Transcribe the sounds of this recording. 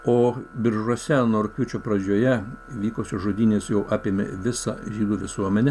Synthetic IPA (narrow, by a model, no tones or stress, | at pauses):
oːbʲɪɾʒuɔsʲɛnoːɾʊkʲʊt͡ʃʲopɾɐd͡ʒʲoːjɛʋʲiːkosʲɪʒoːd̪ʲiːnʲeːsjɛʊʔɑːpʲeːmʲɪ̰ʋʲɪsɐ̰ʒʲiːd̪uːʋʲɪsuɔmʲɛnʲɛ